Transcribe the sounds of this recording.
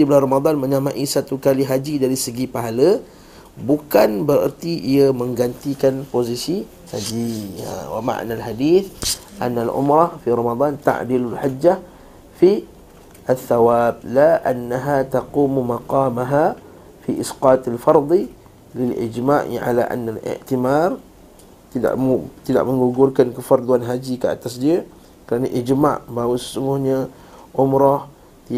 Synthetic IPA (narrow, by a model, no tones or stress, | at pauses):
iblarɑmad̪ˤɑnmə̃ɲamãʔisat̪ukaliɦad͡ʒidaɾisəɡipaɦala | bukanbəɾə̰rt̪iʔiamə̃ŋɡant̪ikanpozisi | had͡ʒḭwa̰ma̰ʔnalɦadiːθʔa̰nːalʔʊ̰mɾɑhfiɾɑmad̪ˤɑnt̪a̰ʔdilulħad͡ʒːa | fi | ʔaθːawab̚laʔanːaɦat̪aquːmumaqɑːmaɦa | fiʔɪsqɑːt̪alfɑɾˤd̪ˤ | lɪlʔɪ̰d͡ʒmaʔʕa̰laʔa̰nːalɪ̰ʔt̪imar | t̪ida̰ʔt̪ida̰ʔməŋɡuɡʊrkankəfard̪uanɦad͡ʒikəa̰t̪asdia | kəɾanaʔid͡ʒma̰ʔbahwasə̥suŋɡʊhɲa | ʔʊmɾɔh̪